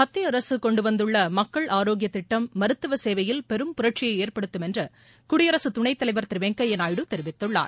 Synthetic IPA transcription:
ɐt̪ːɪɐɾɐsɯkɔɳɖɯʋɐnd̪ɯɭːɐmɐkːɐɭʔaːɾoːɡɪjɐt̪ːɪʈːɐmːɐɾɯt̪ːɯʋɐseːʋɐjɪlpɛɾɯmpʊɾɐʈ̚t͡ʃɪjɐɪeːrpɐɽɯt̪ːɯmɛndrɯ | kʊɽɪjɐɾɐsɯt̪ʊɳɐɪt̪ːɐlɐɪʋɐɾt̪ɪɾɪʋeːŋkɐɛnaːjɪɽɯt̪ɛɾɪʋɪt̪ːɯɭːa̰ːɾ

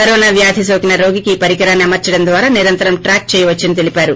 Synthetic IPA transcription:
kɐɾɔːnaːʋjaːd̪ʱis̬oːkinɐɾo̞ːɡikiːpɐɾikɐɾaːnːiɐmɐɾt͡ʃɐɽɐnd̪ʋaːɾaːniɾɐnt̪ɐɾɐmʈɾaːk̚t͡ʃɛːjɐʋɐt͡ʃːinit̪̬e̞lipaːɾu

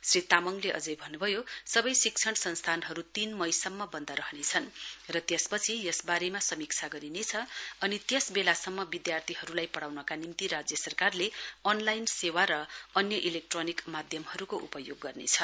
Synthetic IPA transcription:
srit̪amʌŋleʔʌd͡zʌjbʱʌnːubʱʌjosʌbʌjsik̚t͡sʰʌɽ̃sʌnst̪ʰanɦʌɾut̪inmʌjsʌmːʌbʌnd̪ʌɾʌɦʌnet͡sʰʌnrʌt̪jʌspʌt͡sʰijʌsbaɾemasʌmikt͡sʰaɡʌɾinet͡sʰʌʌnit̪jʌsbelasʌmːʌbid̪jart̪ʰiɦʌɾulajpʌɽawnʌkanimt̪iɾad͡zjʌsʌrkarleʌnlajnsewaɾʌʌnjʌʔilek̚ʈronikmad̪ʱjʌmɦʌɾukoʔṵpʌjoɡːʌrnḛt͡sʰʌ

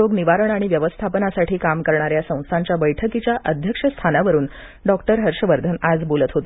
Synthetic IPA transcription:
oɡniʋaɾəɳaɽ̃iʋjəʋəst̪ʰapənasaʈʰiːkamkəɾɳaɾjasə̃w̃st̪ʰaɲt͡ɕjabəjʈʰəkit͡ɕjaʔəd̪ʱjəkʂəst̪ʰanaʋəɾuːn | ɖɔkʈəɾɦəɾɕəʋəɾd̪ʱənad͡zbolət̪ɦot̪e

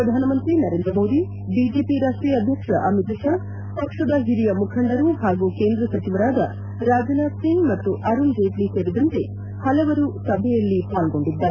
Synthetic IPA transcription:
ɾɐd̪ʱaːnɐmɐnt̪ɾinɐɾeːnd̪ɾɐmo̞ːd̪i | bid͡ʒe̞ːpiɾaːʂʈɾiːjɐd̪ʱjɐkʂɐʔɐmit̪ɐʃa | pɐkʂɐd̪ɐɦiɾijɐmukʰɐɳɖɐɾuhaːɡukeːnd̪ɾɐsɐt͡ʃiʋɐɾaːd̪ɐ | ɾaːd͡ʒɐnaːd̪siŋɡmɐt̪ːuʔɐɾund͡ʒeːʈliseɾid̪ɐnt̪e̞ | hɐlɐʋɐɾusɐbʱɛjɐlːipaːlɡo̞ɳɖid̪ːaːɾe

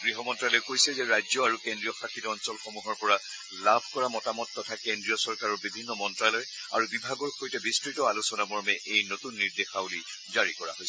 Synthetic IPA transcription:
ɡɹiɦɔmɔntɹalɔjkojsɛzɛɹajzɔaɹukendɹijɔxakʰːitɔɔnsɔlxomuɦɔɹpɔɹa | labʱkɔɹamɔtamɔtːɔtʰakendɹijɔsɔɹkaɹɔɹbibʱinːɔmɔntɹalɔj | a̰ɹubibʱaɡɔɹxojtɛbistɹitɔalusɔnamɔɹmɛʔejnotunːiɹdexabuli | zaɹikɔɹa̰ɦojsɛ

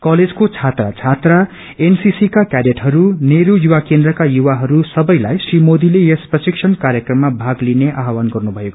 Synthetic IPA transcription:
kʌled͡zkot͡sʰat̪ra̰t͡sʰat̪ra | ensisikakjadeʈɦʌɾuneɾujuwakend̪rʌkajuwaɦʌɾusʌbʌjlajsrimod̪ilejesprʌsiksʰʌnkaɾjʌkrʌmːabʱaɡlineʔaɦwanɡʌrnubʱʌjeko

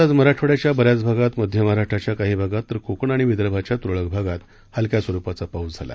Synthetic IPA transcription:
at͡sməɾaʈʰəɽjat͡ɕjabəɾjat͡sbʱaɡat̪məd̪ʱjəməɦɾaʂʈʰɾat͡ɕjakaɦiːbʱaɡat̪ːəɾkokəɳaɽ̃iʋid̪ɾəbʱat͡ɕjat̪uɾɭəɡbʱaɡat̪ | halkjasʋəɾupat͡sapaud͡zd͡zʱala̰

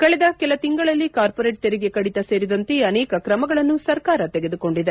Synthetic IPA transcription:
kɐɭɛd̪ɐkɛlɐt̪iŋɡɐɭɐlːikaːɾpoɾeːʈ̚t̪eɾɛɡekɐɽit̪ɐse̞ːɾid̪ɐnt̪e̞ɐnɛːkɐkɾɐmɐɡɐɭɐnːusɐɾkaːɾɐt̪ɛɡe̞d̪uko̞ɳɖid̪e

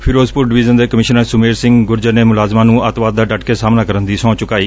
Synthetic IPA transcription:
pʰɪɾoːzpʊɾɖɪʋɪzənd̪eːkəmɪʃənasʊmeːɾsɪ̃ŋɡɡʊɾd͡ʒəneːmʊlaːzmãːnũːət̪ʋaːd̪̚ːaːɖəʈkeːsaːmnãːkəɾənd̪iːsɔ̃ːt͡ʃʊkaːiː

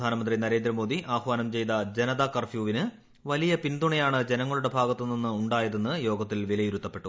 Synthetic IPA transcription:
aːnɐmɐnd̪rinɐɾe̞ːnd̪ɾɐmo̞ːd̪iʔaːxʋaːnɐmt͡ɕe̞jd̪ɐd͡ʑenɐd̪aːkːɐrfjuːʋinɨ | ʋɐlijɐpind̪uɳɐjaːɳɨd͡ʑe̞nɐŋːɐɭuɽe̞bʱaːɡɐt̪ːɨninːɨuɳɖaːjɐðe̞nːɨjo̞ːɡɐt̪ːilʋilɐjiɾut̪ːɐpːe̞ʈːu

